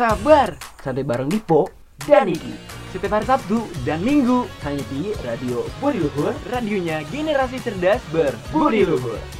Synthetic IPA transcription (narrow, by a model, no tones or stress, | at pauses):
sabarsant̪ebaɾaŋdipɔ | danikḭsət̪efarsap̚t̪udanmiŋɡuhaɲit̪iradiobuɾiuɦurradioɲaɡeneɾas̬it͡ʃərdasbərbuɾiɾuɦṵr